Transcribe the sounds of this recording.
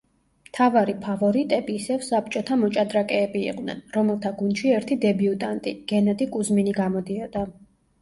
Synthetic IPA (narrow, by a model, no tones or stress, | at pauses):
mt̪ʰavaɾipʰavɔɾit̪ʼɛbiːsɛvsapt͡ʃʼɔt̪ʰamɔt͡ʃʼad̪ɾakʼɛːbḭːq̪ʼnɛ̰nɾɔmɛlˠt̪ʰaɡunʃiɛɾt̪ʰid̪ɛbiut̪ʼant̪ʼiɡ̥ɛnad̪ikʼuzminiɡamɔd̪iɔd̪a